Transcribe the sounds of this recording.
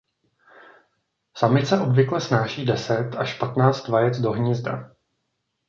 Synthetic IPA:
samɪt̪sɛʔo̞bvɪklɛsnaːʃiːdɛsɛt̪ʔaʃpat̪naːt͡st̪vajɛt͡sdo̞ɦɲɪzda̰

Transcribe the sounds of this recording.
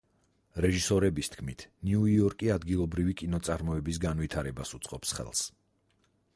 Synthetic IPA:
ɾɛʒisɔɾɛbist̪ʰkʰmit̪ʰniuiɔɾkʼiad̪ɡilˠɔbɾivikʼinɔt̪sʼaɾmɔɛbisɡanvit̪ʰaɾɛbasut̪sʼqʼɔpsχɛ̰lˠs

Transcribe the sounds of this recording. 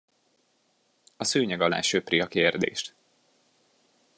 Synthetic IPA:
ɒsøːɲɛɡɒla̰ːʃøpriɒkeːrd̪ḛːʃt̪

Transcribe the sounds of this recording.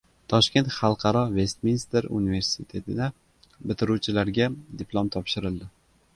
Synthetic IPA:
t̪ʰɒʃkʲe̞nt̪χɑlˠqʰɑɾɒve̞st̪minst̪eɾṵnive̞ɾsit̪ʰe̞t̪ʰɪd̪a | bɪt̪ʰɪɾut͡ʃʰɪlaɾɡʲad̪ɪplˠomt̪ʰɒpʃɪɾɪlˠd̪ɪ

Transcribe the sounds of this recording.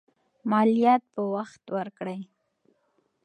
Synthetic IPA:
mɑlijɑt̪̚pəwaxt̪wəɾkɽəj

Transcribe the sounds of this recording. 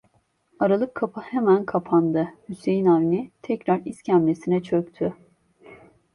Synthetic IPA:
aɾalˠɯkʰːapʰɯhemænkʰapʰand̪ɯhysejinavnit̪ʰɛcɾaɾiscʰæmlʲesinɛt͡ʃʰøkt̪ʰy

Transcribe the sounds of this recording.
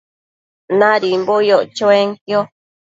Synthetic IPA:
nãɾimbojoʔt͡ʃoeŋkjo

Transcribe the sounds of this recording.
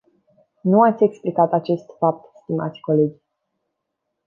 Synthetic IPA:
nuat̪sʲe̞ksplikat̪at͡ʃe̞st̪fap̚t̪st̪ima̰t̪sʲko̞le̞d͡ʒ

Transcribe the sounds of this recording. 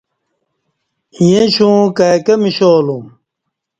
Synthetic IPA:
ijẽɕũːkaːkɐmiɕoːlum

